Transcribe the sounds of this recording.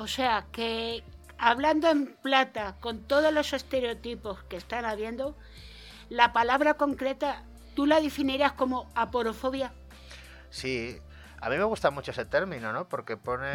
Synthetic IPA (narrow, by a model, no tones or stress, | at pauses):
o̞se̞ake | aβ̞land̪oe̞mplat̪ako̞nt̪o̞ðo̞zlo̞se̞st̪e̞ɾeo̞t̪ipo̞ske̞st̪anaβje̞nd̪o̞ | lapalaβɾako̞ŋkɾe̞t̪a | t̪ulaðefiniɾasko̞mo̞apo̞ɾo̞fo̞βja | si | a̰mĩme̞ɣ̞ust̪amut͡ʃoese̞t̪e̞ɾmĩno̞nopo̞ɾke̞po̞ne